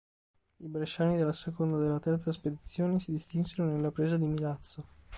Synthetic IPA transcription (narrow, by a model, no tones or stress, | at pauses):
ibɾeʃːaːnid̪elːasekond̪ad̪elːat̪ɛrt̪sasped̪it̪sːjoːnesid̪ist̪insenonelːapɾeːzad̪imilat̪sːo